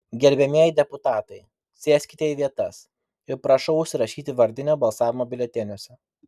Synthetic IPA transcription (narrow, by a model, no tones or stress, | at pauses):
ɡʲɛlʲbʲɛmʲiɛjɪd̪ʲɛpʊt̪ɑːt̪ɐɪ | sʲeːsʲkʲɪt̪ʲɛjʋʲiɛt̪ɐs | ɪɾpɾɐʃɐʊʊʃʲsʲɪɾɐʃʲiːt̪ʲɪʋɐɾʲd̪ʲɪnʲoːbɐlˠsɑːʋʲɪmoːbʲɪlʲɛt̪ʲenʲuɔsʲɛ